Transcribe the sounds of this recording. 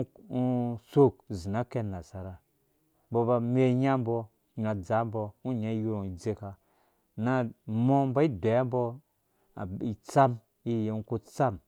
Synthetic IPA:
u˦so˦˨k̚zi˨na˦ke˦˧na˨sa˨ɾa˨ | bo˧ba˧me˦ɲa˦m˦bɔ˧˦ | ɲa˨d͡za˨˦m˦bɔ˧u˦ɲa˦ju˦ɾo˨i˨d͡ze˧ka˧ | na˦mo˦ba˦i˦dʷe˨˦mbɔ˧ | a̰˨i˨t͡sa˦m | i˦je˨u˦ku˦t͡sa˦m

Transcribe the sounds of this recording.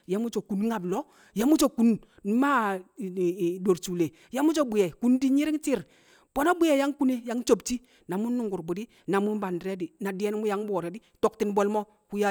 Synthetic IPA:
ja˨˦mu˦t͡ʃo˨ku˨n˦ŋa˨blɔ˦ | ja˦mu˦t͡ʃo˦˨ku˨n˨˦ | ma˦˨ | do˨ɾt͡ʃu˨le˨ | ja˦mu˦t͡ʃo˦bi˨jɛ˨ku˦ndi˦ɲi˦ɾi˦ŋt͡ʃi˦˨ɾ | b̥o˨na˦bu˦je˨ja˦ŋku˦ne˦ja˨˦ŋt͡ʃo˨bt͡ʃi˦ | na˨mu˦nːu˦˨ŋɡu˨ɾbu˨di˦ | na˨mu˦n˦ba˨ndɾe˦di˨na˨di˦jɛ˦n˦mu˦ja˦ŋ˦bɔ˨ɾɛ˨di˦tɔ˨k̚ti˦n˦bɔ˦lmɔ˦ | ku˦ja˦

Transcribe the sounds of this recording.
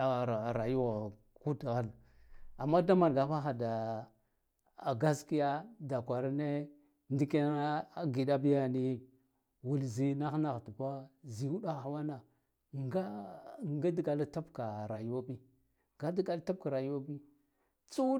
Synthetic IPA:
ɾa˨ju˦ɣa˨ | ku˦dɣa˦l | a˨mːa˦da˦ma˨n˨ɡa˨fa˦xa˨da˨ | ɡa˦ski˦ja˦da˨kʷa˨ɾa˦ne˦ | ndi˦ke˦a˦ɡi˨da˦bi˦ja˦ni˦ | wu˨lzi˦na˦xna˨ɣtu˨pa˦zi˨wu˦ɗa˦˨xa˨wa˦na˨ | ŋɡa˦ŋɡa˦di˦ɡa˨la˦ta˦bka˨ɾa˨jwa˦bi˦ | ŋɡa˦di˦ɡa˨lta˦p̚ka˨ɾa˨ju˦a˦bi˦ | t͡su˦

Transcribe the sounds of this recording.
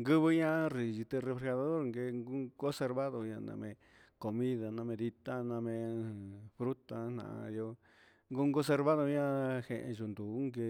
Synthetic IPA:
ŋɡɨ˦βɨ˧˦ɲã˦ri˨ʒi˧t̪e˧re˧fɾe˧xa˧ða˧ðo˦ɾŋɡe˧ŋɡu˦ɡo˦se˧ɾβa˦ðo˧ɲã˧nã̰˧mḛ̃˧ | ko˧mĩ˦ða˧nã˧mẽ˧ði˧t̪a˦nã˧mẽ˧ | fɾu˦t̪a˧˦n̥nã̰˨˧jo˧ | ŋɡu˦ŋɡo˦s̬e˧ɾβa˦ðo˧ɲã˦he˨ʔḛ̃˧ʒu˨nd̪u˨˦ŋɡe˧

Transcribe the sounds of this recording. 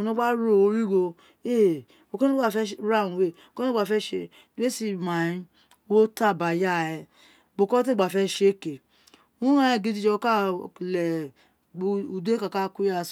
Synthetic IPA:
nɔ̃˦ɡ͡ba˦ɾo˦˨o˧ɾi˦ɡo˧ | e˦˨ | o˨ko˦ɡ͡ba˦˨fɛ˦ɾa˦˨ũ˨˧we˦˨o˨kɡ͡ba˨fɛ˧˦ʃe˧ | de˦si˦˧˨mã˨ĩ˧ | wo˦ta˦˨ba˨ja˦˨ɛ˧ | ɡ͡bo˧˨kɔ˦t̬e˦˨ɡ͡ba˨fɛ˧ʃe˦ke˨ | ũ˦ɾã˦ɛ˨ɡi˧˦di˧d͡ʒɔ˧o˧ka˦˨lɛ˨˧ | u˧du˦e˦ka˨ka˦ku˦ja˦˧˨s

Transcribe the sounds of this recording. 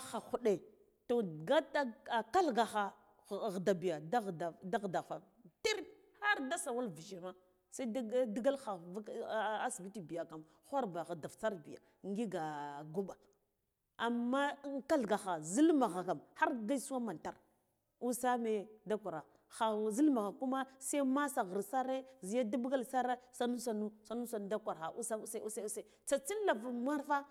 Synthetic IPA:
xa˨xu˨ɗe˨ | to˨ɡa˦ta˦a˨ka˦lɡa˨xa˨ | ɣda˨bi˨ja˨da˦˨da˨da˦ɣda˨fa˨ | te˦ɾ | ha˦ɾda˦sa˨wa˦lvi˨ʃi˨ma˦ | sa˦ddi˦ɡa˦lxa˨˦a˦sbi˦ti˨bi˨ja˨ka˨m | xʷa˦ɾba˨ɣda˨ft͡sa˦ɾbi˨ja̰˨ | ŋ˦ɡi˦ɡa˨ɡu˦ɓa˨ | a˨mːa˦ŋ˦ka˦ɬɡa˨xa˨zi˦lma˨ɣa˨ka˨mha˦ɾɡa˦i˦su˦wa˦ma˨nta˨ɾ | u˦sa˦me˨da˦kʷa˨ɾa˨ | xa˨zi˦lma˨ɣa˨ku˦ma˦sa˦i˦ma˦sa˨ɣə˨ɾsa˦ɾe˦zi˨ja˦da˦bɡa˦lsa˦ɾa˦sa˦nu˦sa˨nu˦sa˨nu˦sa˨n˦da˦kʷa˨ɾxa˨ʔu˦sa˦sa˦u˦sa˦u˦sa˦t͡sa˨t͡si˦n˦la˨va˨ma˦ɾfa˦

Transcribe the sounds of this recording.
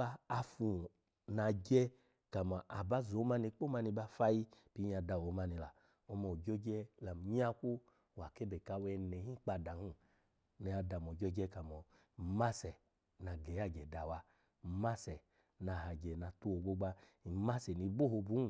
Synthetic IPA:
a˧a˧fu˨ | na˧˨d͡ʒɛ˧ | ka˨ma˨ʔa˨ba˧˦zo˨˦ma˧ni˧k͡po˦ma˧ni˧ba˧fa˧ji˧pi˧˦˧a˧da˨wo˨˦ma˧ni˧la˨ | ɔ˧mɔ˨d͡ʒo˦d͡ʒɛ˧la˨m˨ɲ˦a˦ku˦ | wa˨ke˦bɛ˨ka˧˨˧wɛ˧nɛ˨˦hĩ˦k͡pa˧˨da˨hũ˦ | nɛ˧a˧da˨mɔ˨d͡ʒɔ˧d͡ʒɛ˧˦ka˨mɔ˨ | ma˦sɛ˨ | na˨˧ɡɛ˨˦a˦˨d͡ʒɛ˨da˨wa˧˦˨ | ma˦sɛ˨ | na˨˧˨ɦa˨d͡ʒɛ˨na˧˨tu˦o˧˨ɡo˦ɡ͡ba˧ | i˨ma˦sɛ˨ni˧˦ɡ͡bo˦ho˧bu˨˦u˨

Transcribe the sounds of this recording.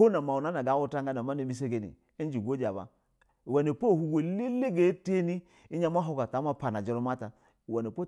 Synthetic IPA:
o˦na˨ma˨wu˨na˦na˨ɡa˨˦wu˦ta˦ŋ˦ɡa˦na˨ma˦ne˨mi˦s̬e˦ɡe˨nḭ˨ | e˦n˦d͡ʒi˨ɡʷo˦d͡ʒa˨ba̰˨ | wɛ˨ne˨po˦˨hu˨ɡe˨˦le˦le˦ɡe˨˦te˦ni˦ | i˦ɲa˦ma˦ɦo˦ka˨ta˨˦ma˦pa˨na˨d͡ʒi˦ɾu˦ma˦ta˨ | wɛ˨ne˨po˦

